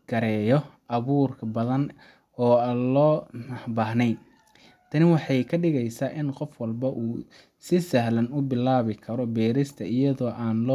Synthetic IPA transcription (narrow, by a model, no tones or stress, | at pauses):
ɡ̥ɐɾɛːjɔ | ʔɐβuːrkʰɐbɐðɐn | ɔːaːlɔːnɐbɐːɦnɛj | t̪ʰɐnɪwɑħɑjkʰɐɖɪɣɛjsaːʔɪnqɔfwɑlbɐʔuː | sɪsɐɦlɐnʊbɪlaːβɪkʰɐɾɔbɛːɾɪst̪ʰɐʔɪjɐðɔːʔaːnlɔː